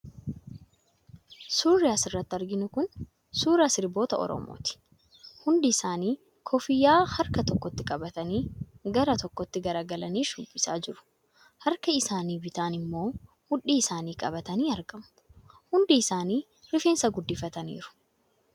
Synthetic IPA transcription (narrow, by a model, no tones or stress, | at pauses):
suːɾɛɐsɪrːɐt̪ːɐɾɡɪnʊkʊn | suːɾɐsɪɾbo̞ːt̪ɐɔ̰ɾɔ̰mo̰ːt̪ɪ̥ | hʊnd̪ɪɪsaːniː | kʰɔfɪjaːhɐɾkɐt̪ɔkːɔt̪ːɪkʼɐbɐt̪ɐniːɡɐɾɐt̪ɔkːɔt̪ːɪɡɐɾaːɡɐlɐniːʃʊbːɪsa̰ːd͡ʒɪɾʊ̥ | hɐɾkɐɪsaːniːbɪt̪aːnɪmːo̞ː | hʊᶑiːɪsaːniːkʼɐ̰bɐt̪ɐniːɐɾɡɐmʊʊhʊnd̪iɪsaːniː | ɾɪfeːnsɐɡʊd̪ːɪfɐt̪ɐnḭːɾʊ̥